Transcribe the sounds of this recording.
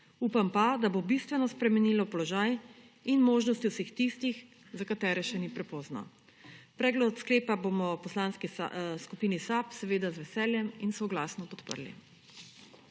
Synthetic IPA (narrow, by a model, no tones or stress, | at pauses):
uːpampad̪abobist̪ʋɛnɔspɾɛmɛniːlɔpɔlɔʒaj | inmoːʒnɔst̪iwsext̪ist̪ix | zakat̪ɛːɾɛʃɛnipɾɛpɔznɔ̰ | pɾɛːɡlɔt̪skleːpabomɔpɔslaːnskḭskupiːnisapsɛʋeːd̪azʋɛsɛːljɛminsɔɡlaːsnɔpɔt̪pə̰ɾlḭ